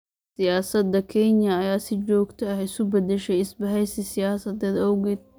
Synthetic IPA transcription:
sɪjaːsɐd̪ːɐkʰɛnjɐɐjaːsɪt͡ʃɔːɡt̪ʰɐɐhɪsʊbɐd̪ɛʃɛjɪsbɐɦɛjsɪsɪjaːsɐd̪ɛːd̪ɔwɣɛːd̪̚

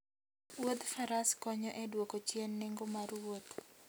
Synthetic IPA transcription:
wod̪faɾaskɔɲɔʔɛdwokot͡ʃjenːɪŋɡomarwot̪

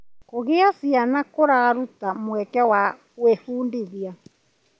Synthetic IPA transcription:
koɣeasianakoɾaɣaɾutamwɛkɛwa | wefuːndeðia

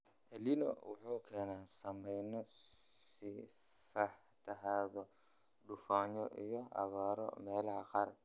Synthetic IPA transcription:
ʔɛlinɔ̰wʊħuːkʰɛːnaːsɐmɛjnɔ | i | fɐħ | t̪ʰɐɦaːðɔ | ɖʊfaːɲɔʔijɔɐ̰βaːɾɔ̰mɛːlɐɦɐqɑːr

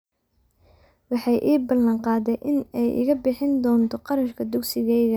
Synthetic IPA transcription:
wɑħɑjʔiːbɐlɐɴqɑːd̪ɛjʔɪnɛjʔɪ̰ɣɐbɪħɪnd̪ɔːnt̪ʰɔqɑɾɐʃkʰɐd̪ʊksɪɣɛjɣɐ

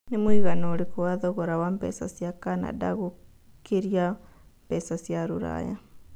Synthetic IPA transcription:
nemwiɣanoːɾekowaðɔɣoɾawampɛ̰sa̰sjakana̰da̰ɣu | kʰiɾia | mpɛsasjaɾuɾa̰ja

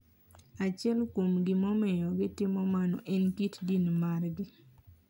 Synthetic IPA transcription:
at͡ʃɪɛlkomɡɪmɔmɛjɔɡɪtɪmɔmanɔ̰ʔɛnkitdinmarɡɪ

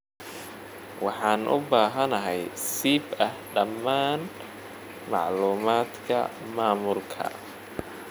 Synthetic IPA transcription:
wʔɑħɑːnʔʊ̰baːɦɐnɐɦɛjsiːbɐhɖɐmːaːn | mɑʕluːmaːd̪kʰɐ̰ | maːmʊlkʰɐ̰

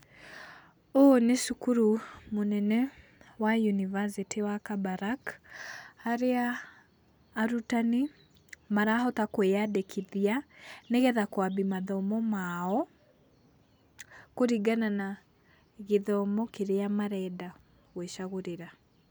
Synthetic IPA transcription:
oneʃukuɾumonɛnɛ | wajunivasitʰiwakabaɾak | aɾea | ɾutane | maɾaɦɔtakweadekʰiðianeɣɛðakwabimaðɔmɔmaɔ | koɾiɡanana | ɣeðɔmɔkeɾeamaɾɛda | ɣweʃaɣoɾeɾa

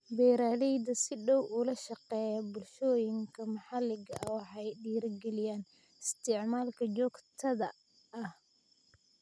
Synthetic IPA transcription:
bɛːɾaːlɛjd̪ɐsɪɖɔwʔʊlɐʃɑqɛːjɐbʊlʃɔːjɪŋkʰɐmɑħɑlɪɡɐʔɐwɑħɑjɗiːɾɡɛlɪjaːn | ɪst̪ʰɪʕmaːlkʰɐt͡ʃɔːɡt̪ʰɐðɐ | ɐh

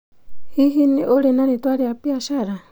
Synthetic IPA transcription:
hiɦiniʔoɾɛnanit̪waɾiapiaʃaɾa

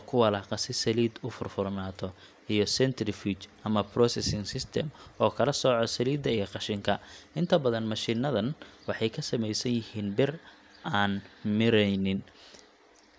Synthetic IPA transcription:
kʰʊwɐlɐqɑsɪsɐliːd̪ʊfʊrfʊrnaːt̪ʰɔ | ijɞsɛnt̪ʰɾɪfit͡ʃʔɐmɐprɔsɛsɪŋsɪst̪ʰɛ̰mɔːkʰɐlɐsɔʕɔsɐliːd̪ɐijɔqɑʃɪŋkʰɐʔɪnt̪ʰɐbɐðɐnmɑʃɪnɐðɐnwɑħɑjkʰɐsɐmɛjsɐnjɪhiːnbɪr | ʔaːnmɪɾɛjnɪn

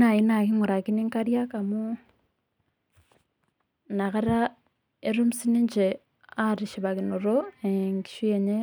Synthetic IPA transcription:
najinakiŋuɾakiniŋkaɾjakamu | nakaɾa | eɾumusiniɲd͡ʒe | aɾiʃiβaɣinoɾoeŋɡi̥ʃweɲe

